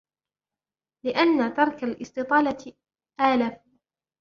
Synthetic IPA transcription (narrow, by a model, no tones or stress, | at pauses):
lɪʔanːat̪ɑɾˤkalʔɪst̪ɨt̪ˤɑːlɑ | ʔaːlaː